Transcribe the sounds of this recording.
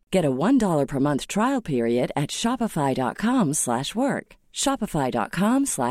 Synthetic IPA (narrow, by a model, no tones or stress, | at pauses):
ɡ̥ɛɾəwʌ̃ndɔlˠə˞pʰə˞mʌ̃nθtʰɹ̥aɪl̩ˠpʰɪɹiɨɾɨtʃɑpəfaɪdɑ̰t̚kʰɑ̃mslæ̰ʃwɜ˞k | ʃɑpəfaɪdɑ̰t̚kʰɑ̃mslæ̰